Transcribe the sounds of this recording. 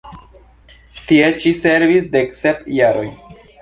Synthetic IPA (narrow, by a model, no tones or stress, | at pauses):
tie̞t͡ʃise̞ɾvisde̞kse̞pjaɾo̞j